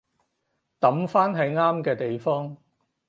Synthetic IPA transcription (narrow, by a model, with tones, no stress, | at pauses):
t̪ɐ˨˥mfaː˥nɦɐ˨˧jŋaː˥mkɛː˧t̪e˨jfɔː˥ŋ